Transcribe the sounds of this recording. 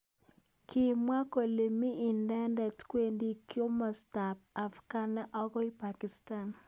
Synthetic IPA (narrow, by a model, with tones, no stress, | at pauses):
kʰi˦˨mwa˦ko˨le˨mi˦ʔːndɛ˦ndɛ˨tkwe˦ndi˦kjo˦mɔ˨sta˨p̚a˨fka˦na˦ʔɔ˦ɡɔ˦i˦pa˨ki˨sta˨n